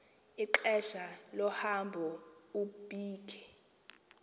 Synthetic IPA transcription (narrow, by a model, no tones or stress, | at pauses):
iǃɛʃalɔhambʱɔubʱʼiːkʰɛ̥